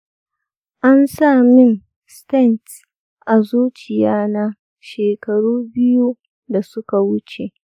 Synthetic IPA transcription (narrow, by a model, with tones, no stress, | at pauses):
ʔa˦nsaː˦˨mɪ˦ŋ | stɛ˦˨nt | ʔa˨zuː˦t͡ʃɪ˨jaː˦na˦ | ʃeː˨kɐ˨ɽuː˦bɪ˦ju˦ | da˨sʊ˦ka˨wʊ˦t͡ʃe˨